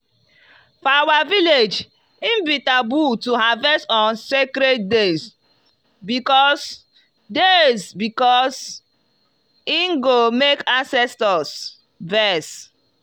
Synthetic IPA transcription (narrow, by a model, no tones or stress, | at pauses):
fawaviled͡ʒ | ĩmbitabutuɦavɛstɔ̃nsekɾet̚dez | bikɔs | dezbikɔs | iŋɡomekãnsɛstɔs | vɛs